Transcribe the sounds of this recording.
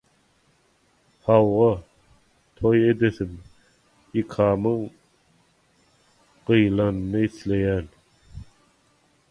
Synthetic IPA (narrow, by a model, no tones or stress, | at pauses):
hɑwʁɑ | t̪ʰoje̞d̪eθim | ikʰɑːmɯɴ | ɢ̥ɯjlˠɑnɯnɯiθlejæːn